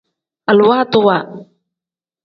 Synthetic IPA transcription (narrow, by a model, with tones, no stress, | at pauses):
ʔa˨lwa˦t̪ʊ˦˨wa˨